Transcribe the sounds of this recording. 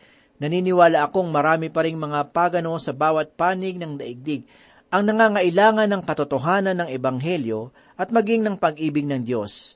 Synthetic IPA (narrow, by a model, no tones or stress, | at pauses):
nɐniːnɪwaːlɐʔɐko̞ŋmɐɾaːmɪpɐɾɪŋmɐŋapaːɡɐno̞sɐbaːwɐt̪̚paːnɪɡ̚nɐŋd̪ɐʔɪɡ̚d̪ɪɡ̚ | ʔɐŋnɐŋaːŋɐʔɪlaːŋɐnːɐŋkɐt̪ot̪oɦaːnɐnːɐŋɛbɐŋɦɛljo̞ | ʔɐt̪̚mɐɡiŋnɐŋpɐɡʔiːbɪɡ̚nɐŋd̪jo̞s